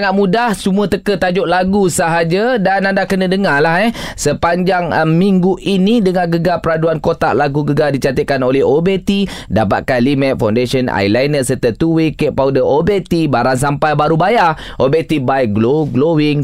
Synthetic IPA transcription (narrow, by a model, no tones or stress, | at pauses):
aŋaʔ̪̚mũdahsumuət̪əkət̪ad͡ʒʊʔ̚laɡusəɦad͡ʒadanandakənədəŋalaɦɛhsəpaɲd͡ʒaŋmiŋɡuʔinidəŋanɡəɡapəɾaduankot̪a̰ʔlaɡuɡəɡadit͡ʃat̪ət̪̚kanolɛɦobet̪idapat̪̚kanlimɛ̃t̪̚fawndesəna̰jlajnəsərt̪ət̪uwikeʔpaudəʔobet̪ibaɾaŋs̬ampajbaɾubaja | ʔobet̪ibaiɡloɡlowɪŋ